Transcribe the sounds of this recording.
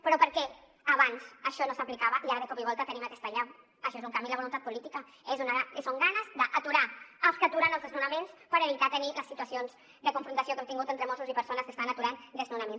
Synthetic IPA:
pɾɔpəɾkɛ | aβanzəʃɔnosəplikaβəʔiaɾðəkɔpiβɔlˠt̪ət̪ənimakɛst̪əʎaw | əʃɔezuŋkambiləɐβolunt̪at̪pulit̪ika | ezunaasoŋɡanəzd̪əʔat̪uɾaəlˠskəat̪uɾanəlˠzðəznunɐmenspəɾeβit̪at̪əniləsːit̪uəsionz | d̪əkuɱfɾunt̪ɐsijokɛmt̪iŋɡut̪ent̪ɾəmosuzipəɾsonəskəest̪anɐt̪uɾand̪əznunamẽn

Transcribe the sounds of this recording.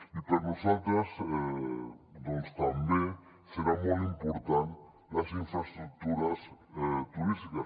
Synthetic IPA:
ipaɾnosalt̪ɾas | d̪onst̪ambje | seɾamolimpoɾt̪an | lasiɱfɾast̪ɾuk̚t̪uɾast̪uɾist̪ika

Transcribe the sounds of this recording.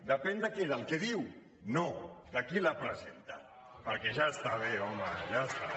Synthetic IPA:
d̪əpɛnd̪əkeðəlˠkeðiw | nod̪əkilapɾəzent̪a | pəɾkɛʒaəst̪aβ̞eɔmaʒast̪a

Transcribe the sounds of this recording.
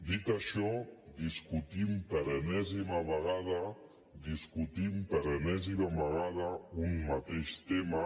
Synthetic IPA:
d̪it̪əʃɔd̪iskut̪impəɾənɛzimaβəɣað̞ə | d̪iskut̪impəɾənɛzimaβəɣaðəummat̪eʃt̪ema

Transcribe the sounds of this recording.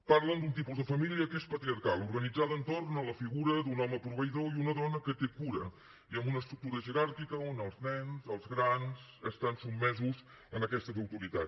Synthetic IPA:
paɾlənd̪unt̪ipuzðəfəmilˠiəkespət̪ɾiərkalˠuɾɣənid͡zaðənt̪ornələfiɣuɾəd̪unɔməpɾuβəiðoiunəðɔnəkət̪ekuɾə | iəmbunəst̪ɾuk̚t̪uɾəʒəɾaɾkikəonəlˠznɛnzəlˠzɣɾanzəst̪ansubmːɛzuz | ənəkɛst̪əðəwt̪uɾit̪a

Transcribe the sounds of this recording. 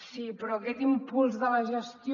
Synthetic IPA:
sipɾɔːkɛt̪impulˠzðələʒəst̪j

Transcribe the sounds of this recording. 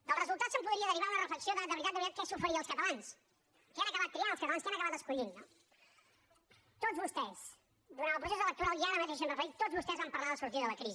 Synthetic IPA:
d̪əlˠrəzulˠt̪at̪səmpuðɾiəðəɾriβaunərəfləksioðəd̪əβɾit̪at̪əβɾit̪at̪̚kɛsufəɾiəːlˠskət̪əlans | keanəkəβat̪̚kɾianlˠskət̪əlanskanəkəβat̪əskuʎinːɔ | t̪ozβust̪ɛs | d̪uɾanəlˠpɾusezələk̚t̪uɾalˠiaɾəmət̪eʃsenɾrəfəɾit̪ːozβust̪ɛzβampəɾlaðəsuɾt̪iəðələkɾizi

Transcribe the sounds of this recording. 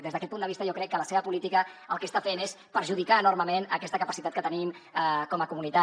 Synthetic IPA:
d̪ezðəkɛt̪pund̪əβist̪əjɔkɾɛkːələseβəpulit̪ikəəlˠkəst̪afenes | pəɾʒuðikaənorməmenə̰kɛst̪əkəpəsit̪at̪̚kət̪əniməkɔməkumunit̪a

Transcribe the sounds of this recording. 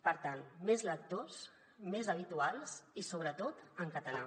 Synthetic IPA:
pəɾt̪anmezlək̚t̪os | mezəβ̞it̪ualˠsisoβ̞ɾət̪ot̪əŋkət̪əla

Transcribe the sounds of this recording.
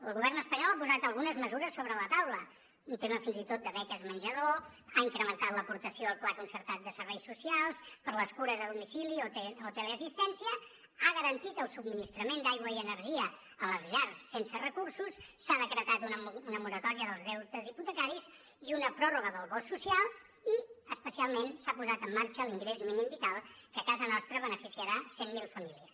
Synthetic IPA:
əlˠɣuβɛrnəspəɲɔlˠapuzat̪əlˠɣunəzməzuɾəsːoβɾələt̪awlə | unt̪eməfinzit̪ot̪̚d̪əβɛkəzmənʲʒəðoaiŋkɾəmənt̪at̪ləpuɾt̪əsioəlˠplakunsəɾt̪at̪̚d̪əsəɾβɛjsusialˠspəɾləskuɾəzðəðumisilioeot̪əleəsist̪ɛnsiə | aɣəɾənt̪it̪əlˠsub̚minist̪ɾəmend̪ajɣwəiənəɾʒiə | ələzʎarsːensərəkuɾsusːaðəkɾət̪at̪unəunəmuɾət̪ɔɾiəðəlˠzðɛwt̪əziput̪əkaɾis | iunəpɾɔruɣəðəlˠβɔsːusialˠ | iəspəsialˠmensapuzat̪əmːaɾt͡ʃəliŋɡɾezminimbit̪alˠkəkazənɔst̪ɾəβənəfisiəɾasemːilˠfəmiliəs

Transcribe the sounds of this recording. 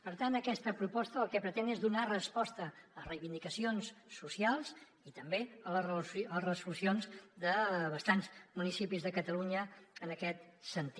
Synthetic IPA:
pəɾt̪ant̪əkɛst̪əpɾupɔst̪əːlˠkɛpɾət̪ɛnezðunarəspɔst̪əərəjβind̪ikəsionsːusialˠs | it̪əmbeələlərəzulusionzd̪əβəst̪anzmunisipizðəkət̪əluɲəːnəkɛt̪sənt̪i

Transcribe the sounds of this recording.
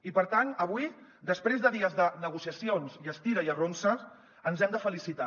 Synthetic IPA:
ipəɾt̪anəβ̞ui | d̪əspɾezðəðiəzðənəɣusiəsionziəst̪iɾəiəronsə | ənzɛmd̪əfəlisit̪a

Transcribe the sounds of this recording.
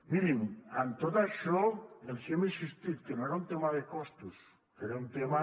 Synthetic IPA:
miɾiŋant̪oðaʃoelsemisist̪iðkenõeɾaunt̪emaðekost̪us | keɾaunt̪ema

